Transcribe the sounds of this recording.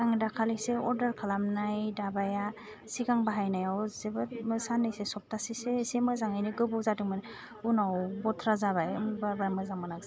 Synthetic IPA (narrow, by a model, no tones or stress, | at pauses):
aŋdakʰaleseɔɾdaɾkʰalamnajdabaja | siɡaŋbaɦajnajawzebɯmɯsanːɯjsesɔp̚tasisesemɯzaŋajnɯɡɯbɯwzadɯŋmɯn | unawbɔtʰɾazaβajbabaɾmɯzaŋmanaks